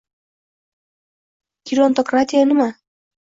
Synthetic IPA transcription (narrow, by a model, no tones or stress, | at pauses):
kʲiɾont̪okrat̪ʲijanɪma